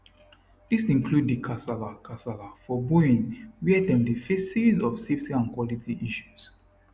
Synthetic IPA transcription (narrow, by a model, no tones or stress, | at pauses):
ðisĩnkʰluddikʰasalakʰasalafɔbuĩŋwiɛdɛ̃mdifesizɔfseftiãnkʰwɔlitʰiʔiʃuz̥